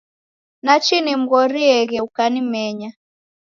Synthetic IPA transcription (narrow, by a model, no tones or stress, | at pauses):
nat͡ʃinim̩ɣɔɾiɛɣɛukanimɛɲa